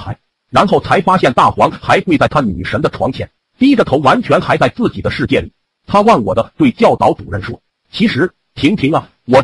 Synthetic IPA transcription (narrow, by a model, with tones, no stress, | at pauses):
xa˧˥ɪ | ɻa˧˥nxo˥˩ʊt͡sʰa˧˥ɪfa˥ɕjɛ˥˧nt̪a˥˩xwɑ˧˥ŋxa˧˥ɪxwe˥˧ɪt͡sa˥˩ɪt̪ʰa˥ny̰˨˩ʂə˧˥d̪ə˧ʈ͡ʂʰwɑ˧˥ŋt͡ɕʰjɛ̰˧˥n | t̪i˥˩i˥d̪ə˨˩tʰo˧˥ʊwa˧˥nt͡ɕʰɥɛ˧˥nxa˧˥ɪt͡sa˥˧ɪt͡sɹ̩˥˩t͡ɕi˨˩d̪ə˦ʂɻ̩˥˧t͡ɕjɛ˥˩li˨˩˦ | t̪ʰa˥wɑ˥˩ŋwɔ̰˨˩d̪ə˦t̪we˥˩ɪt͡ɕjɑ˥˩ʊt̪ɑ̰˧˥ʊt͡su˨˩ɻə˥˩nʂwɔ˥ | t͡ɕʰi˧˥ʂɻ̩˧˥ | t̪ʰi˧˥ŋt̪ʰi˧˥ŋə˧ | wɔ˨˩